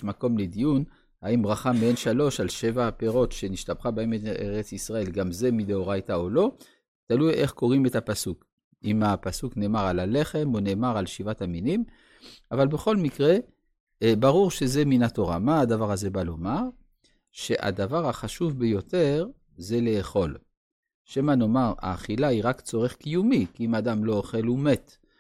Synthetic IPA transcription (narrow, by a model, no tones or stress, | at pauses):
mako̞mled̪ijun | haimbʁaχamienʃalo̞ʃalʃevapeʁo̞t̪ʃe̞niʃt̪abχabaemetʔeʁet͡sisʁae̞lɡamze̞mid̪eoʁajt̪aolo̞ | t̪alujʔe̞χko̞ʁime̞tapasuk | imapasukne̞ːmaʁalale̞χe̞mone̞ːmaʁalʃivat̪aminim | avalbe̞χo̞lmikʁe̞ | baʁuʁʃe̞ze̞minat̪o̞ʁa̰maːd̪avaʁaze̞balo̞maʁ | ʃe̞ʔa̰d̪avaʁaχaʃuvbejo̞t̪e̞ʁ | ze̞le̞ːχo̞l | ʃemano̞maʁa̰ːχilaiʁakt͡so̞ʁe̞χkijumikiimad̪amlo̞oχe̞lume̞t̪